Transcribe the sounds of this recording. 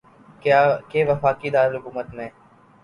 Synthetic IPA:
keːʋəfaːkiɪd̪aːɾelɦʊkuːmət̪mẽː

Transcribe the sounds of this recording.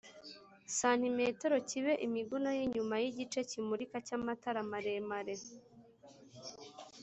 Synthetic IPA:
san̥imeteɾo̞ciβe̞ʔimiɡunojiɲumajiɟit͡ʃe̞cimuɾikacamataɾamaɾe̞maɾe̞

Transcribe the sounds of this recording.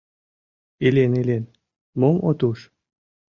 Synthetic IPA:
elʲenelen | moŋo̰t̪uʃ

